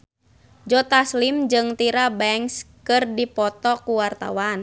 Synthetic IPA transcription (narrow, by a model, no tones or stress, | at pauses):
d͡ʒɔt̪aslimd͡ʒɨŋt̪iɾabɛŋskɨrdipɔt̪ɔkuwart̪a̰wan